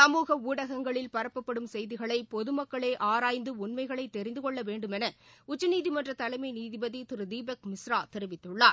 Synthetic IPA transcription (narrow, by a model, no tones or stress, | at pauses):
sɐmuːɣɐuːɽɐɣɐŋɡɐɭɪlpɐɾɐpːɐpːɐɽɯmsɛjðɪɣɐɭɐɪpɔðɯmɐkːɐɭeːʔaːɾaːjnd̪ɯʊɳmɐɪɣɐɭɐɪt̪ːɛɾɪnd̪ɯkɔɭːɐʋeːɳɖɯmɛnɐʊt͡ʃːɯniːðimɐndrɐt̪ɐlɐɪmɐɪniːðɪbɐðit̪ɪɾɯd̪iːbɐk̚mɪsɾaːt̪ɛɾɪʋɪt̪ːɯɭːaː